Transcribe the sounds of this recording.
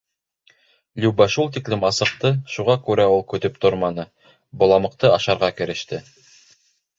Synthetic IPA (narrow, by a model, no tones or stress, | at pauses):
lʲʉbæʃulˠt̪iklɘmɑsɤ̆q̚t̪ɤʃuʁɑkʉɾæulˠkɵ̆t̪ɵp̚t̪oɾmɑnɤ | bŏlˠɑmɤ̆qt̪ɤɑʃɑɾʁɑkɘ̆ɾɘ̆ʃt̪ɘ